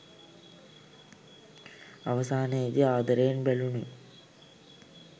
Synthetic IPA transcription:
ɐʋɐsaːneːd̪iaːd̪ɐɾeːnbeɭuɳi

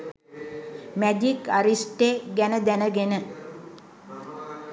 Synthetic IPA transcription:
mæd̪ikaɾisʈeɡænəd̪ænəɡenə

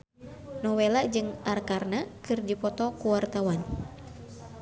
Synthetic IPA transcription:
nɔwelaʔd͡ʒɨŋʔarkarnakɨrdipɔt̪ɔkuwart̪awan

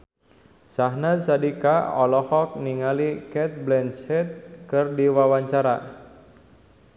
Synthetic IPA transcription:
saɦnasadikaɔlɔhɔk̚niŋalikɛt̪̚blɛnsɛt̪̚kɨrdiwawaɲt͡ʃaɾa̰

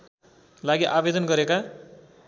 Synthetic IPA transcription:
laɡiʔabed̪ʌnɡʌɾeka

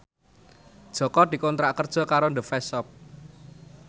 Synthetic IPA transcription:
d̥ʒ̥ɔ̤kɔd̪̥i̤kont̪ɾaʔkərd̥ʒ̥ɔ̤kaɾond̪əfɛsɔp̚

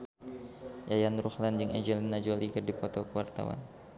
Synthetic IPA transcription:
jajanruhland͡ʒɨŋɛd͡ʒəlinad͡ʒolikərdipɔt̪ɔkəwart̪a̰wa̰n

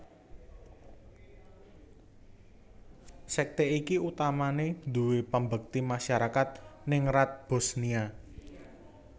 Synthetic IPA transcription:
sɛk̚t̪eikiut̪amanend̪ṳwepəmbək̚t̪imaʃaɾakat̪̚nɪŋrat̪̚b̥o̤snia

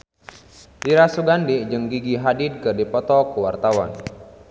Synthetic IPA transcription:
diɾasuɡandid͡ʒɨŋɡiɡiɦadid̚kɨrdipɔt̪ɔkuwart̪awa̰n

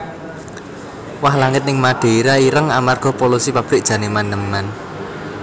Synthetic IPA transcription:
wahlaŋɪt̪̚nɪŋmaɖ̥e̤ɾaiɾəŋamarɡ̥ɔ̤polusipab̥ɾɪk̚dʒ̥ä̤nemandəmːan

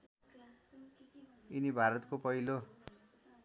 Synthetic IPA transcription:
inibʱaɾʌt̪kopʌɦilo

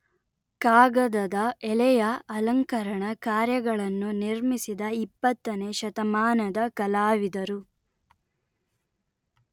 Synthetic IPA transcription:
kaːɡɐd̪ɐd̪ɐɛlɛjɐːlɐŋkɐɾɐɳɐkaːɾjɐɡɐɭɐnːuniɾmisid̪ɐipːɐt̪ːɐneʃɐt̪ɐmaːnɐd̪ɐkɐlaːʋid̪ɐɾu

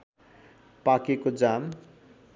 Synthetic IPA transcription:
pakekod͡zam

